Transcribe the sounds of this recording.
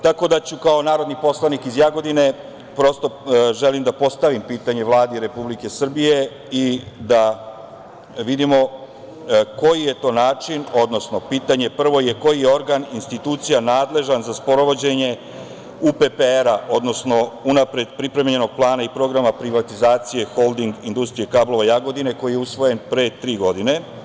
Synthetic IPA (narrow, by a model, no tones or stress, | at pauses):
t̪ako̞d̪at͡ɕukao̞naːɾo̞d̪nipo̞slˠanikizjaɡo̞d̪ine̞ | pɾo̞st̪o̞ʒe̞limd̪apo̞st̪aʋimpiːt̪aɲe̞ʋlˠaːd̪iɾe̞publike̞sr̩bije̞ | id̪a | ʋid̪imo̞ | ko̞jije̞t̪o̞ːnaːt͡ʃino̞d̪no̞sno̞piːt̪aɲe̞pr̩ʋo̞je̞ko̞jijeo̞ɾɡaninst̪it̪uːt̪sijanaːd̪le̞ʒanzaspo̞ɾo̞ʋo̞d͡ʑe̞ɲe̞ | upepeeɾaʔo̞d̪no̞sno̞unapɾe̞d̪pɾipɾe̞mɲe̞no̞ɡ̥̚plˠaːnaipɾo̞ɡɾamapɾiʋat̪izaːt̪sije̞xo̞lˠd̪iŋɡind̪ust̪ɾijekablˠo̞ʋajaɡo̞d̪ine̞ko̞jijeusʋo̞je̞npɾet̪ɾiːɡo̞d̪ine̞